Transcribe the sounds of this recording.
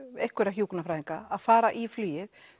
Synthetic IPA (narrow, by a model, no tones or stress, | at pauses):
ejhkvɛɾaɦjuːkʏnafɾajðiŋkaaðfaːɾaʔiflyːjɪð